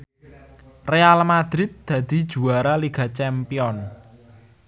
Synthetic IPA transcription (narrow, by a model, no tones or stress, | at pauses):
realmad̪ɾɪt̪̚d̪̥ä̤d̪̥i̤̥ʒ̥ṳaɾaliɡ̥a̤t͡ʃɛmpiɔn